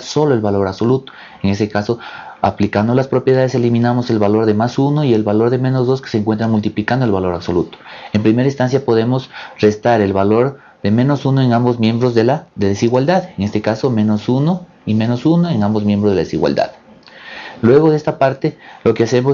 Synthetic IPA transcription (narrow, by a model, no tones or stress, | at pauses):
so̞loe̞lβalo̞ɾaβso̞lut̪o̥ | eŋe̞st̪ekaso̞a̰plikand̪olaspɾo̞pjeðaðe̞s̬e̞limĩnamose̞lβalo̞ɾðe̞masuno̞ie̞lβalo̞ɾðemẽ̞no̞zðo̞ske̥seŋkwe̞nt̪ɾaŋmult̪iplikand̪oelβalo̞ɾaβso̞lut̪o̥empɾime̞ɾaĩnst̪ans̬japo̞ð̞e̞mo̞sre̞st̪aɾe̞lβalo̞ɾ | ðe̞mẽ̞no̞sunoeŋãmbo̞zmjẽ̞mbɾo̞zðe̞laðeðesiɣwald̪aðeŋe̞st̪ekaso̞mẽ̞no̞suno | imẽ̞no̞sunoe̞ŋãmbozmjẽmbɾozðelaðesiɣwa̰ld̪a̰ð | lwe̞ɣo̞ðeest̪apaɾt̪e̞lo̞kease̞mo